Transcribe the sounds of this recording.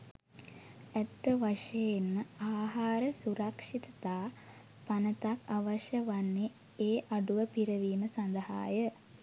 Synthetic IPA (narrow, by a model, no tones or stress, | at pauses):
æt̪ːəʋaʂejenməaːɦaːɾəsuɾakʂit̪ət̪aː | panət̪akʰaʋaʃjəʋanːe | eːʔaɖuʋəpiɾəʋiːməsand̪əɦa̰ːjə